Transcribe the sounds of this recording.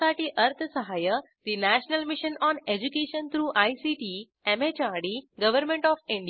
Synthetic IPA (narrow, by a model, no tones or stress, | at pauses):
aʈiːʔəɾt̪ʰəsəɦajə | d̪̥inæɕnəlmiɕənɔned͡ʑukeɕənt̪ʰɾuːʔaisiʈiː | emet͡ɕaɾɽiɡəʋəɾmẽɳʈɔfĩɳɖi